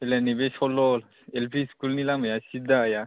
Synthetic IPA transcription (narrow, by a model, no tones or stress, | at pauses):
elɛnebesɔlɔl | elpʰiskulnilamajasid̪aːja